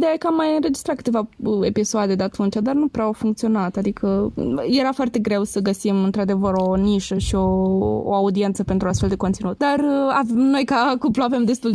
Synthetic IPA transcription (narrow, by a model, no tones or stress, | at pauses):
d̪eakamːajɨnɾe̞d͡ʒist̪ɾat̪̚kɨ̥t̪evae̞pisoad̪e̞d̪eat̪unt͡ʃad̪arnupɾeawfuŋkt̪sio̞nat̪ad̪ikʰəje̞ɾafoart̪e̞ɡɾe̞wsəɡəsimɨnt̪ɾad̪e̞vəɾo̞niʃəʃio̞̰ːaud̪ient̪səpe̞nt̪ɾuast̪fe̞ld̪e̞kot̪sinut̪̚d̪aɾano̞jkakuploave̞md̪e̞st̪ul